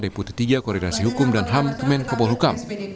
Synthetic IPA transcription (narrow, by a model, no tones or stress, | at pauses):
deput̪i̥t̪iɡakɔɾedasiɦukʊmdanɦamk̪əmɛnkabɔlɦukam